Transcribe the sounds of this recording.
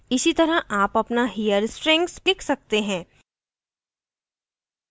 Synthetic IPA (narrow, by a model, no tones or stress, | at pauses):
ɪsit̪ɐɾəʔaːpɐpnaɦijəɾsʈɾɛ̃ŋkslɪkʰsɐk̚t̪eɦɛ̃ː